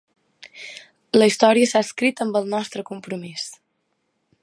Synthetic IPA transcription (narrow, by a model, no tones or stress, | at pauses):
ləist̪ɔɾiəsaəskɾit̪əmbəlˠnɔst̪ɾəkumpɾumis